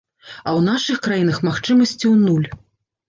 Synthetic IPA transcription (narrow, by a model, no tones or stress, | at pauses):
ɐwnaʂɨxkɾajinɐxmaxt͡ʂɨmɐsʲt͡sʲiwnulʲ